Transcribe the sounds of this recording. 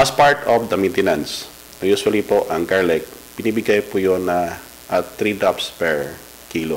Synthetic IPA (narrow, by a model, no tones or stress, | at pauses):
ʔɐspaɹt̪ofd̪ɐmint̪ɛnans | ɐjuswɐlipoʔɐŋɡaɹlɛk̚b̥ɪnibɪɡajpujonɐ | ʔɐt̪ɾid̪apspɛɹ | kiːlo